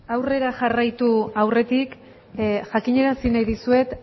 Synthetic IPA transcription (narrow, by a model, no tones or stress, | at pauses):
awre̞ɾaʝarajt̪uawre̞t̪ik | ʝakiɲe̞ɾansinajðisue̞t̪